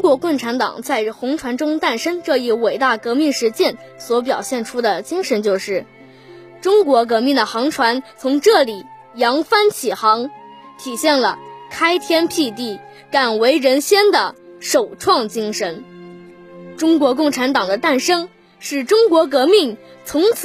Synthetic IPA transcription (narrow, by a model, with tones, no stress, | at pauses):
ŋkwɔ˧˥kʊ˥˩ŋʈ͡ʂʰa˧˥nt̪ɑ̰˨˩ŋt͡sa˥˩ɪxʊ˧˥ŋʈ͡ʂʰwa˧˥nʈ͡ʂʊ˥ŋt̪a˥˩nʂə˥ŋʈ͡ʂɤ˥˧i˥˩we˨˩ɪt̪a˥˩kɤ˧˥mi˥˩ŋʂɻ̩˧˥t͡ɕjɛ˥˩n | swɔ˧˥p̬jɑ˨˩ʊɕjɛ˥˩nʈ͡ʂʰu˥d̪ə˨t͡ɕi˥ŋʂə˧˥nt͡ɕjo˥˧ʊʂɻ̩˥˩ | ʈ͡ʂʊ˥ŋkwɔ˧˥k̬ɤ˧˥mi˥˩ŋd̪ə˩xɑ˧˥ŋʈ͡ʂʰwa˧˥nt͡sʰʊ˧˥ŋʈ͡ʂɤ˥˩li˨˩ | jɑ˧˥ŋfa˥nt͡ɕʰi˨˩xɑ˧˥ŋ | t̪ʰi˨˩ɕjɛ˥˩nlə̰˩kʰa˥ɪt̪ʰjɛ˥npʰi˥˧t̪i˥˩ | ka˨˩nwe˧˥ɪɻə˧˥nɕjɛ˥nd̪ə˨ʂo˨˩ʊʈ͡ʂʰwɑ˥˩ŋt͡ɕi˥ŋʂə˧˥n | ʈ͡ʂʊ˥ŋkwɔ˧˥kʊ˥˩ŋʈ͡ʂʰa˧˥nt̪ɑ˨˩ŋd̪ə˦t̪a˥˩nʂɤ˥ŋ | ʂɻ̩˥˩ʈ͡ʂʊ˥ŋkwɔ˧˥k̬ɤ˧˥mi˥˩ŋt͡sʰʊ˧˥ŋt͡sʰ